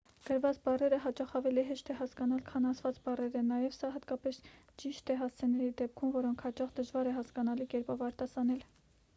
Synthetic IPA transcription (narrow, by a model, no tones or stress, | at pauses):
ɡ̥əɾvɑt͡sbɑrɛɾəɦɑt͡ʃɑχɑvɛliɦɛʃt̪ʰɛɦɑskɑnɑlkʰɑnɑsʰvɑt͡sbɑrɛɾənɑjɛvsɑɦɑt̪kɑpɛs | t͡ʃiʃt̪ʰɛɦɑst͡sʰɛnɛɾid̪ɛp̚kʰumvɔɾɔŋkʰhɑt͡ʃɑχd̪əʒvɑɾɛɦɑskɑnɑlikɛɾpɑvɑɾt̪ɑsɑnɛl